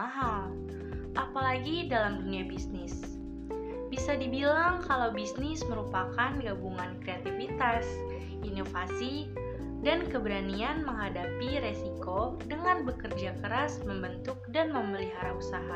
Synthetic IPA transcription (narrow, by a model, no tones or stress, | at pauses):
aɦal | ʔapalaɡidalamduniabisnɪs | bisadibilaŋkalawbisnɪsməɾupakanɡabuŋankɾeat̪ifit̪as | inofasi | dankəbɾanianməŋɦadapiɾesikodəŋanbəkərd͡ʒakəɾasməmbənt̪ʊk̚danməməliɦaɾausaɦa